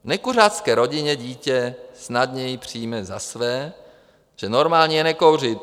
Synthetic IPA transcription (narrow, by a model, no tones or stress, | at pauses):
nɛkurat̪skɛːɾo̞ɟɪɲɛɟiːcɛsnadɲɛjɪpr̝̥iːmɛzasvɛː | ʒ̥ɛno̞ɾmaːlɲijɛnɛkowr̝ɪt̪